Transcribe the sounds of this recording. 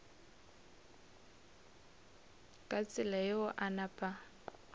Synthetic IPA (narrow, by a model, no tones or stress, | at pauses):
kʼat͡sʼɪlajɪʊʔanapʼa